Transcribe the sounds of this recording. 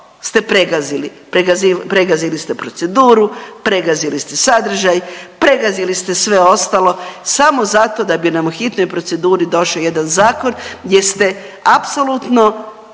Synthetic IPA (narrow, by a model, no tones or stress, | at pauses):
st̪e̞pɾeɡazilipɾeɡazipɾeɡazilist̪e̞pɾo̞t̪se̞d̪uːɾupɾe̞ɡazilist̪esad̪r̩ʒajpɾe̞ɡazilist̪e̞sʋe̞o̞st̪alˠo̞samo̞zat̪o̞d̪abinamuxit̪no̞jpɾo̞t̪se̞d̪uːɾid̪o̞ʃojed̪anzaːko̞nje̞st̪e̞ | apsolut̪no̞